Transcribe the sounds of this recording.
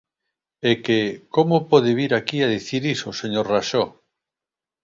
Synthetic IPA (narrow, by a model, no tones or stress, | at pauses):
ekekomopɔðeβiɾakiaðiθiɾisoseɲoɾraʃo